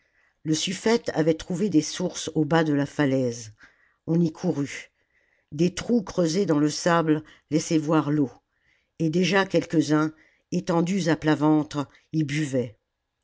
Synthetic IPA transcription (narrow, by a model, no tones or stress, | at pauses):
ləsyfɛt̪a̰vɛt̪χuved̪esuʁsobad̪əlafalɛz | ɔ̃nikʰuʁy | d̪et̪χukχøzed̪ɑ̃ləsabl | lɛsɛvwaʁlo | ed̪eʒakʲɛlkʲəzɛ̃ | et̪ɑ̃d̪yzaplavɑ̃t̪χ | ilbyvɛ